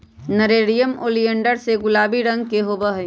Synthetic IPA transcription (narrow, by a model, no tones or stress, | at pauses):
nəɾeːɾijəmo̰ːliə̃ɳɖəɾseɡʊlaːbiɾɐ̃ŋɡkeɦoːbəɦ